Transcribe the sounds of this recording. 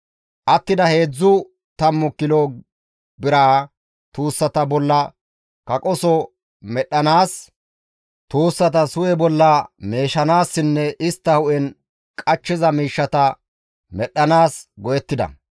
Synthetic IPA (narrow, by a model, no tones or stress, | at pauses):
ʔɐt̪ːɪd̪ɐhe̞ːd͡zːʊ | t̪ɐmːʊkːɪlo | bɪɾaː | t̪uːsːɐt̪ɐbɔlːɐ | kɐkʼɔsɔ | mɛɗːɐnaːs | t̪uːsːɐt̪ɐsʊjɛbɔlːɐme̞ːʃɐnaːsːɪnːɛʔɪst̪ːɐhʊʔɛn | kʼɐt͡ʃːɪzɐmiːʃːɐt̪ɐ | mɛɗːɐnaːsɡɔjɛt̪ːɪd̪ɐ̰